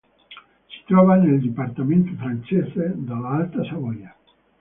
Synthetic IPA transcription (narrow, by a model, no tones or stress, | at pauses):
si̥t̪ɾɔβaneld̪ipaɾt̪amẽnt̪ufɾant͡ʃesed̪alaalt̪asaβoja